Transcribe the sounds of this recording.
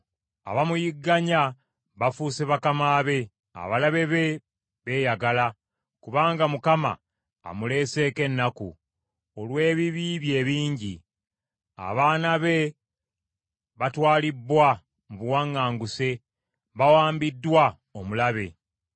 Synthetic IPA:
a̰βamujiɡːaɲa | βafuseβakamaːβe̞ | a̰βalaβe̞βe̞ | βe̞ːjaɡala | kuβaːŋɡamukama̰ː | mule̞ːse̞ːke̞nːaku | olwe̞ːβiβiβje̞ːβiːɲɟi | a̰βaːnaβe̞ | βatwaːlibwa | muβuwaŋːaːŋɡuse̞ | βawaːmbidːwa | omulaβe̞

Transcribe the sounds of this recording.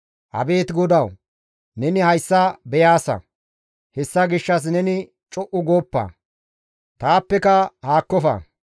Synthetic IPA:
ʔɐ̰be̞ːt̪ɡɔd̪ɐw | nɛnɪhɐjsːɐbɛjaːsɐ̰ | hɛsːɐɡɪʃːɐs̬nɛnɪ | t͡ʃʼɔʔʊɡoːpːɐ̰ | t̪aːpːɛkɐhaːkːɔfɐ̰

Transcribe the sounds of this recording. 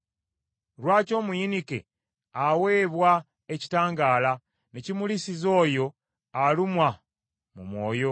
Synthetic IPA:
ɾwaːco̞ːmujinikḛ | awe̞ːβwa | eci̥taːŋɡaːla | necimulisizo̞ːjo̞ | alumwa | mumwo̞ːjo̞

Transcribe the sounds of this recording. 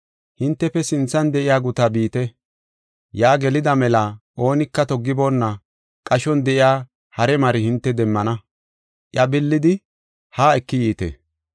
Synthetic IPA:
hɪnt̪ːɛfɛsɪnt͡sːɐnd̪ɛʔɪjaːɡʊt̪abiːt̪ɛ | jaːɡɛlɪd̪ɐmɛlɐʔo̞ːnɪkːɐt̪ɔɡːɪbo̞ːnːɐ | kʼɐʃɔnd̪ɛʔɪjaː | hɐɾɛmɐɾɪhɪnt̪ːɛd̪ɛmːɐnɐ | ʔjɐbɪlːɪd̪ɪ | haːɛkːɪjiːt̪ḛ

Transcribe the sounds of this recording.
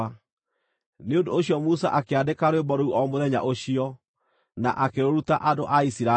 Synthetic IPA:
a | neõndoːɕjɔmusa̰ʔakeadekaɾwebɔɾouʔɔmoðɛɲa̰ʔoɕiɔ | na̰ʔakeɾoɾutaʔadoʔaisiɾa

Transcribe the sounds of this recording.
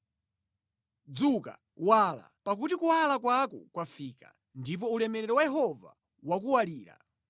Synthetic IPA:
d͡zuka̰ | wala̰pak̬utikuwalak̬wakɔkwafiːka̰ | ndip̬ɔulɛmɛɾɛɾɔwajɛɦɔva̰ | wak̬uwaliːɾa̰

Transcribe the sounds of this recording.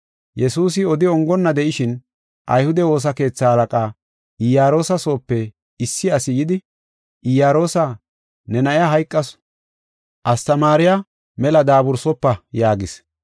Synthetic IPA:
jɛsuːs̬ɪɔd̪ɪɔŋɡɔnːɐd̪ɛʔɪʃɪn | ʔɐ̰jhʊd̪ɛwo̞ːs̬ɐke̞ːt͡sːaɐlɐkʼaː | ɪjaːɾo̞ːsɐso̞ːpːɛ | ɪsːɪɐsɪjɪd̪ɪ | ʔɪjaːɾo̞ːsa | nɛnɐʔɪjaɦɐjkʼːɐs | ʔɐst̪ɐmaːɾɪja | mɛlɐd̪aːbʊɾsɔpːɐjaːɡɪs

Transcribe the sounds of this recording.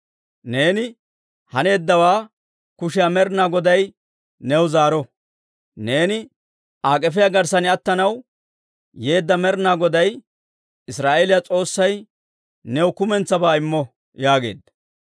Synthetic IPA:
ne̞ːnɪ | hɐne̞ːd̪ːɐwaː | kʊʃɪjamɛɾnaːɡɔd̪ɐj | nɛwzaːɾɔ | ne̞ːnɪ | ʔaːkʼɛfɪjaɡɐɾsɐnɪɐt̪ːɐnɐw | jeːd̪ːɐmɛɾnaːɡɔd̪ɐj | ɪsɾaːʔeːlɪjɐt͡sʼo̞ːsːɐj | nɛwkʊmɛnt͡sːɐbaːɪmːɔ | jaːɡe̞̰ːd̪ːɐ

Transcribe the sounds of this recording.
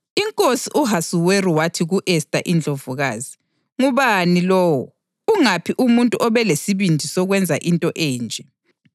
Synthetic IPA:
iŋkʼosiʔuɦasuweriwatʰiɣuʔɛstʼaʔind͡ɮʱovuɣaːzi | ŋuβanilɔːwɔ | uŋapʰiʔumuntʼuʔɔβɛlesiβindʱisɔɣwɛnd͡zʱa̰ʔintʼɔʔeːnd͡ʒʱɛ

